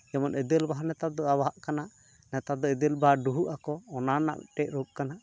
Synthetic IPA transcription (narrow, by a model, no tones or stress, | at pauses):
jɛmɔnʔɛd̪ɛlbaɦanɛt̪ap̚d̪ɔawaɦaʔkanaʔ | nɛt̪ap̚d̪ɔɛd̪ɛlbaɖuɦuʔakɔːnana̰ʔʈɛʔ̚ɾɔʔ̚kanaʔ